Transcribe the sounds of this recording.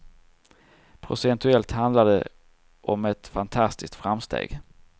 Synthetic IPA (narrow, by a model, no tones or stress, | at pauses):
pʰɾʊ̰sɛnt̪ɵɛlt̪hand̪lad̪ə̰ | ʔɔmɛt̪fant̪ʰast̪ɪs̚t̪fɾamst̪ʰḛːɡ